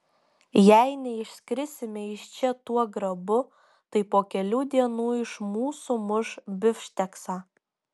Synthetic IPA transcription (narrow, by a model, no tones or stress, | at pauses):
jæɪnʲɛɪʃʲsʲkɾʲɪsʲɪmʲɛɪʃʲt͡ʃʲɛt̪uɔɡɾɐbʊ | t̪ɐɪpoːkʲɛlʲuːd̪ʲiɛnuːɪʃmuːsʊmʊʃbʲɪfʲʃʲt̪ʲɛksaː